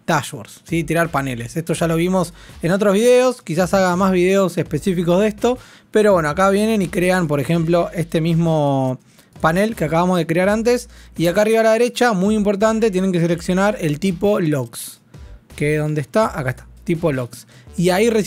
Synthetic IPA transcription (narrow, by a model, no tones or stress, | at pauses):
t̪aʃwo̰ɾsːit̪iɾaɾpanelesest̪o̞ʒalo̞β̞imo̞se̞no̞t̪̬ɾozβiðe̞oskisasaɣamazβ̞iðeose̞hpe̞sifikoðe̞hst̪o̞ | pe̞ɾo̞βwe̞noakaβ̞je̞ne̞nikɾe̞ampo̞ɾe̞xe̞mplo̞ʔest̪e̞mismo̞ | pane̞lkeakaβamozð̞e̞kɾeaɾant̪e̞siakaariβalaðe̞ɾe̞t͡ʃamujimpoɾt̪̬ant̪̬et̪jene̞ŋke̞s̬ele̞ksjo̞naɾe̞lt̪ipo̞loks | keðo̞nd̪est̪aʔakaeht̪ḁt̪ipo̞loksiaires